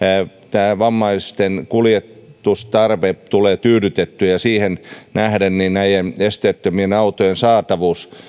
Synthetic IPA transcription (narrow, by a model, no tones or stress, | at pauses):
t̪æːʋɑmːɑist̪enkuljet̪ust̪ɑrʋept̪uleːt̪yːɾyt̪et̪ːyjɑsiːhennæhdenninnæijenest̪eːˑt̪ːømienɑut̪ojensɑːt̪ɑʋuːs